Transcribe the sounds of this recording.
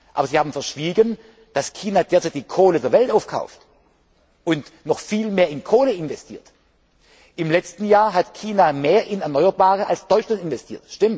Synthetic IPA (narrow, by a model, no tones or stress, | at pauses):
ʔaːbɐziːhaːbm̩fɛɐʃv̥iːɡən | d̥askʰiːnadeːɐt͡saɪtd̥iːkʰoːlədeːɐvɛltaʊfkʰa̰ʊft | ʔʊntnɔχfiːlmeːɐɪnkʰoːləɪnvɛstʰḭːɐt | ʔɪmlɛt͡stn̩jaːɐɦatkʰiːnameːɐʔɪnɛɐnɔʏɐbaːʁəʔalsd̥ɔʏt͡ʃlantɪnvɛstʰḭːɐtʃtɪmt